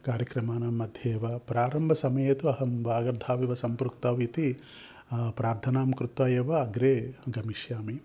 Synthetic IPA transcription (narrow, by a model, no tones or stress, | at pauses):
kaːɾjɐkɾɐmaːnɐmːɐd̪ʱjeːʋɐpɾaːɾɐmbʱɐsɐmɐjeːt̪uɐɦɐmʋaːɡɐɾd̪ʱaːʋiʋɐsɐmpɾuk̚t̪ɐːʋit̪i | pɾaːɾt̪ʰɐnaːmkɾut̪ʋaːjeʋɐːɡɾeːɡɐmiʃjaːmi